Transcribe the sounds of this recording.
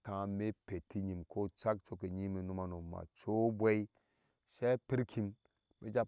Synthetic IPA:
kã˨me˦pe˨ti˦ɲi˨mkʰo˦t͡ʃa˦kt͡ʃo˦k̬e˨ɲi˦me˨nu˦ma˨no˨ma̰˨t͡ʃo˦bwe˦i˦ | ʃe˦pi˦ɾkʰi˨m | mḛ˦d͡ʒa˦

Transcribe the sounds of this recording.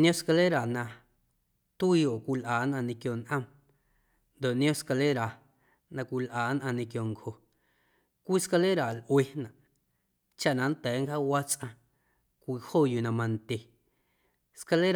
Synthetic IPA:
nj̃õ˦ska˧le˦ɾa˨nã˧ | t̪iː˧o˨kʷi˧lʔaː˨nʔã˧nĩ˧kjo˧nʔə̃˧m | nd̪o˨nj̃õ˦ska˧le˦ɾa˨ | nã˧kʷi˧lʔaː˨˦nʔã˧nĩ˧kjo˨ŋkho˨ | kʷiː˦ska˧le˦ɾa˨lʔwe˧nã˨ʔ | t͡ʃa˦˨ʔnã˧n˦t̪ɛː˨˦ŋkaː˦wa˦t͡sʔã˧ | kʷi˧hoː˦˨ju˧˨nã˧mã˧nt̪ʲe˨ | ska˧le˦ɾ

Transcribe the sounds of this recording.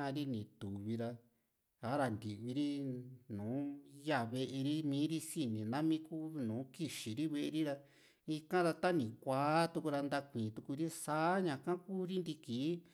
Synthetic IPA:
a˧ɾi˦nĩ˨t̪u˨βi˧ɾa˧ | a˨˦ɾa˧nd̪i˨βi˧ɾi˦nũː˨˦ja˦˨βe˧ʔe˧ɾi˦mĩː˦ɾi˦si˦nĩ˨nã˦mĩ˦ku˦˧nũː˨˦ki˧ʃi˨ɾi˦βe˧ʔe˧ɾi˦ɾa˧ | i˧kã˦ɾa˧t̪a˦nĩ˨kʷaː˨˦t̪u˧ku˧ɾa˧nd̪a˧kʷĩː˨t̪u˧ku˧ɾi˦saː˦ɲã˧kã˦kuː˦ɾi˦nd̪i˧kiː˨˦

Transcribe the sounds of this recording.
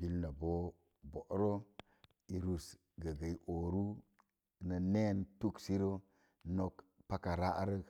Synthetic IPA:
bi˦lna˨bo˦ | bo˨ʔɾo˦ | i˨ɾu˨s | ɡə˨ɡa˨i˨ʔo˨ɾu˦˨ | nə˨ne˦ntu˦ksi˦ɾo˦ | no˦kpa˦ka˨ɾa˦ʔa˦ɾə˦k

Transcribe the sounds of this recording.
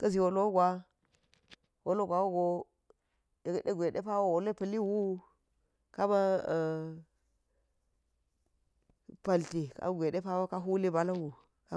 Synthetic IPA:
kɐ˦zi˨wo˨lo˦ɡʷa˦ | wo˦lo˦ɡʷa˨wo˦ɡo˦ | e˨ɡde˦ɡʷe˨ɗe˦pa˦wo˦wo˨le˦pɐ˨li˦wu˦ | ka˦ba˦˨ | pa˨lti˨ka̰˦ɡʷe˨ɗe˦pa˦wo˦ka˦ɦu˦li˦ba˨la˦wu˨ | ka̰˦

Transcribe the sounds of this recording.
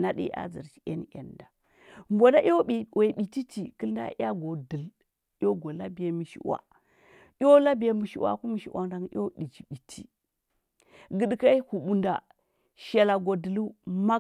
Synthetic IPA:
na˦ɗḭ˦ʔa̰˦d͡zḭ˨ɾt͡ʃi̥˨a̰˦n˦ja̰˨nda˨ | mbʷo˨da˦ʔi˦o˦i˨we˨ɓi˨ti˦ti˨kə˦lda̰˦ja˦ɡo˨di˨l | o˦ɡo˨la˦bi˨ja˦mi˨ʃḭ˨wa̰˨ | i˦o˦la˦bi˨ja˦mi˨ʃḭ˨wa̰˨ku˦mi˨ʃḭ˨wʔa̰˨ŋ˦da˨ŋ˦o˦ɗi˨t͡ʃi˨bi˨tʰi˦ | ɡə˨dka˦hu˨ɓu˨nda˨ | ʃa˨la˨ɡo˨di˨lu˦ma˦

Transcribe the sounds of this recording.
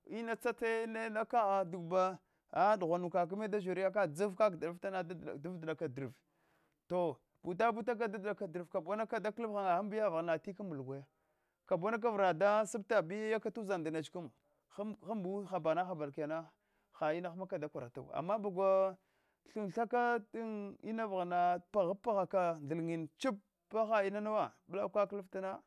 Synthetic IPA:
i˦na˦t͡sa˦te˦ne˦na˦ka˦a˨du˨ɡba˦ | a˦du˨ɣʷa˨nu˨ka˨k̬u˦me˦da˦ʒu˨ɾi˦ja˦k̬a˦d͡zu˦vka˦ɡda˨a˦fta˦na̰˦˨du˦vda˨ka˨di˨ɾə˨v | to˨ | b̥u˨t̬a˦bu˦ta˦k̬a˦da˦dɗa˨ka˨di˨ɾə˨vka˨bo˦na˦ka˦da˦ku˦xa˨ŋa˨xa˦mbi˦ja˦vɣna˨ti˦ka˦mu˨lɡʷa˨ja˦ | ka˨bo˦na˦k̬a˦vɾa˨da˦si˦b̚ta˨bi˦ja˦ja˦ka˦tu˦za˨nda˨na˨t͡ʃku˦m˦ | xa˦mbu˦xa˨ba˨na˦xa˨ba˨lki˨ja˨na˦ | xa˨i˦na˦xma˦ka˨da˦kʷa˨ɾa˨ta̰˨wa̰˨mːa˦ba˨ɡʷa˦ | ɬu˨nɬa˦ka˦ti˦ni˦na˦vna˨pa˨ɣa˦pːa˦ɣa˨ka˨n˨i˨lŋi˨nt͡ʃi˦pː | a˦xa˨i˦na˦na˦wa˦bla˦kʷa˦klə˦fta˦na˦

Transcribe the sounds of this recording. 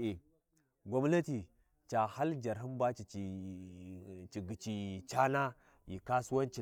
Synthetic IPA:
i˨ | ɡʷa˨mna˦ti˨ | t͡ʃa˨ha˦ld͡ʒa˨ɾɦi˦mba˦t͡ʃi˨t͡ʃi˨ | t͡ʃi˨ɡi˨t͡ʃi˨t͡ʃa˦na˦ | ji˨ka˦su˦wa˦nt͡ʃi˨

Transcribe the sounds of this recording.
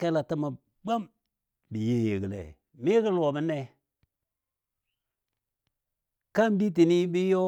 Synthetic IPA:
ke˦la˨ti˦ma˨ | ba˦m | bi˨je˦je˨ɡi˨lḛ˨ | mi˦kə˦lo˨bi˦ne˦ | ka˦mbi˦t̬i˨ni˦bi˦jo˦

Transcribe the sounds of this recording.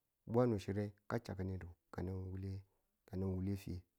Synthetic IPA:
bʷa˦nu˨ʃi˦ɾe˦ka˦t͡ʃa̰˨ka˨˦ni˦ɾu˨ka˨na˦nwu˦le˦ | ka˨na˦nwu˦le˦fi˦e˦

